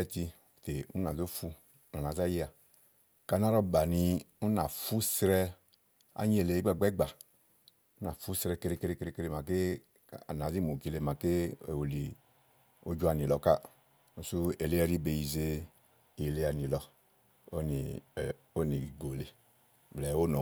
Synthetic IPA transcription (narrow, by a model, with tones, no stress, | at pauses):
ɛ˦˧ti˧˨ | te˨u˦na˨zo˦fu˧˦ | na˨na˨za˦je˦a˨ | ka˨na˦ɾɔ˦ba˨ni˧u˦na˨fu˦sɾɛ˦˧ | a̰˦ɲi˦e˨le˨i˦ɡ͡ba˦˨ɡ͡bɛ˦ɡ͡ba˨ | u˦na˨fu˦sɾɛ˧ke˧ɾe˧ke˧ɾe˧ke˧ɾe˧ke˧ɾe˧˨ma˨ke˦˨ | a̰˨na˨zi˦mo˨ki˨le˨ma˨ke˦ḛ˨wo˨li˨ | o̰˦d͡ʒu˦a˨ni˨lɔ˨˦ka˦ | u˨su˦e˨le˦ɛ˦ɾi˦be˨ji˨ze˦ | i˨le˦a˨ni˨lɔ˧ | o˦nḭ˨ | o˦ni˨ɡo˨le˨ | blɛ˨˦o˦nɔ˨